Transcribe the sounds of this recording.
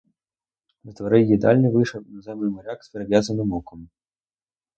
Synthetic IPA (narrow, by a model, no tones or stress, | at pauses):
nɐt̪vaɾɛjʲjʲid̪alʲnɨvɨʂɐnazɛmlɨmaɾʲaksʲpʲɛɾɐvʲjazɐnɨmɔkɐm